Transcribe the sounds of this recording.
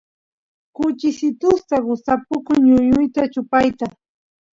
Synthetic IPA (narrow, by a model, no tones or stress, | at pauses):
kʊt͡ʃɪsɪt̪ʊst̪aɢʊsapʊkʊŋɲʊɲʊjt̪at͡ʃʊpajt̪a